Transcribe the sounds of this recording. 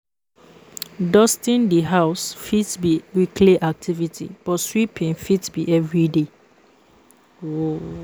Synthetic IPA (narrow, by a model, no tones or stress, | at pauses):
dɔstĩndiɦaʊsfitbiwikʰleʔak̚tʰivitʰḭb̥ɔswipʰĩnfitbiʔɛvɹide | o